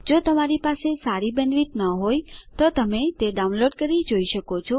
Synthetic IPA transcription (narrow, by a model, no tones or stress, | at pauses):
d͡ʒot̪əmaɾipasesaɾibənʋit̪nəɦojt̪ot̪əmet̪eɖaũnloɖkəɾid͡ʒoiʃəkot͡ʃʰɔ